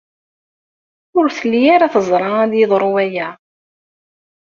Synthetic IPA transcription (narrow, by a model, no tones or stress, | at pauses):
ʊɾθəlːjaɾaθəzˤɾˤɑæðjəðˤɾˤuwæjæ